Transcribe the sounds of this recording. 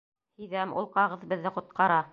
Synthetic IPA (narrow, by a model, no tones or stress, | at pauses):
hĭjðæmṵlˠqɑʁɤ̆ðbɘ̆ðːɘqŏt̪̚qɑɾɑ